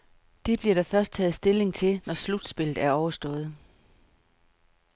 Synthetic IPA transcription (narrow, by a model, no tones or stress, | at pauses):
d̥e̝b̥liɐɾ̥ɑ̈fɶɐsd̥̚t͡sʰɛ̰ːð̩ˠsd̥e̝le̝ŋt͡sʰe̝lnɒslud̥sb̥e̝l̰ð̩ˠæɐɒʊɐsd̥ɔ̽ːð̩ˠ